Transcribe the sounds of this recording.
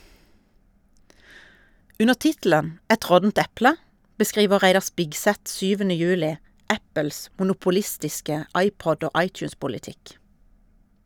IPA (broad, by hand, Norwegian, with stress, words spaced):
ˈʉnə ˈtɪtl̩ən ˈɛt ˈʁɔtn̩t ˈɛplə bəˈskʁiːʋə ˈʁæɪdɑ ˈspɪkˌsɛt ˈʃyːʋənə ˈjʉːlɪ ˈæpəls mʊnʊpʊˈlɪstɪskə ˈɑɪˌpɔd ˈoː ˈɑɪˌtjʉːspʊlɪˌtɪk